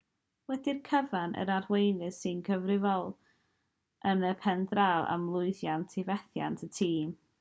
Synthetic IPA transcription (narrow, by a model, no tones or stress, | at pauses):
wɛdɪrkʰəvanʔə̰ɾarwejnɨssɨnkʰəvrɪvɔlˠ | ʔənəpʰɛndralˠa̰mlˠʊɨðjantʰɪvɛθja̰ntʰətʰiːm